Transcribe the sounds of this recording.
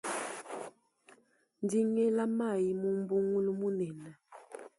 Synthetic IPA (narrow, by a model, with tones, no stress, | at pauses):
n˦di˦ŋɛ˦la˦ma˦˨ji˨mu˦m˦bu˦ŋu˦lu˦mu˦nɛ˨na˨